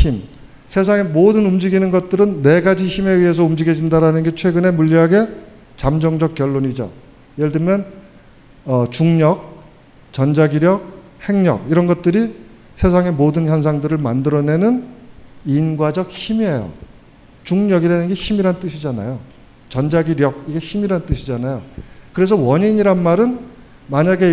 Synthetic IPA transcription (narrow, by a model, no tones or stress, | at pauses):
im | sʰe̞s̬ʰaŋe̞modɯnumd͡ʑiɡinɯnɡʌt̚t͈ɯɾɯnːe̞ɡad͡ʑiçime̞ɥiɦe̞s̬ʰʌumd͡ʑiɡe̞d͡ʑindaɾanɯnɡe̞t͡ɕʰwe̞ɡɯne̞muʎːiɦaɡe̞ | t͡ɕamd͡ʑʌŋd͡ʑʌk̚k͈jʌɭːoɲid͡ʑo̰ | jeɭdɯmjʌn | ʌt͡ɕuŋɲʌk̚ | t͡ɕʌnd͡ʑaɡiɾjʌk̚ | he̞ŋɲʌ̰k̚iɾʌnɡʌt̚t͈ɯɾi | sʰe̞s̬ʰaŋe̞modɯnçjʌns̬ʰaŋdɯɾɯɭmandɯɾʌne̞nɯn | inɡwad͡ʑʌk̚çimiejo̰ | t͡ɕuŋɲʌɡiɾanɯnɡe̞çimiɾanɯnt͈ɯɕʰid͡ʑana̰jo | t͡ɕʌnd͡ʑaɡiɾjʌk̚iɡe̞çimiɾanɯnt͈ɯɕʰid͡ʑanajokɯɾe̞s̬ʰʌwʌɲiɲiɾanmaɾɯn | maɲaɡe̞